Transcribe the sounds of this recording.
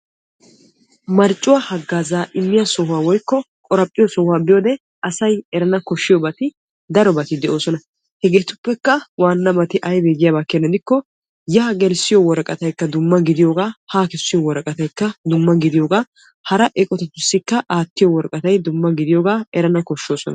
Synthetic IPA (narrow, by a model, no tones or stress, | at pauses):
mɐɾt͡ʃʼːʊwahɐɡːaːzaːʔɪmːɪjasɔɦʊwaːwɔjkːɔ | kʼɔɾɐpʼːɪjɔsɔhʊwaːbɪjoːd̪ɛ | ɐsɐjɛɾɐnɐkɔʃːɪjɔbɐt̪ɪ | d̪ɐɾɔbɐt̪ɪd̪ɛʔo̞ːsɔnɐ | hɛɡeːt̪ʊpːɛkːɐwaːnːɐbɐt̪ɪʔɐjbeːɡɪjaːbɐkːenːɐd̪ɪkːɔ | jɐːɡɛɾsɪjɔwɔɾkʼɐt̪ɐjkːɐd̪ʊmːɐɡɪd̪ɪjoːɡaːhaːkɪsːɪjɔwɔɾɐkʼɐt̪ɐjkːɐd̪ʊmːɐɡɪd̪ɪjoːɡaː | hɐɾɐʔɛkʼɔt̪ɛt̪ːʊsːɪkːɐʔaːt̪ːɪjɔwɔɾkʼɐt̪ɐjd̪ʊmːɐɡɪd̪ɪjoːɡaːɛɾɐnɐkɔʃːo̞ːsɔ̰nɐ